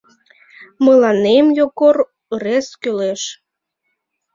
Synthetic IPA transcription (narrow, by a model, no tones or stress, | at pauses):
məlɑnemjoɣor | reskyleʃ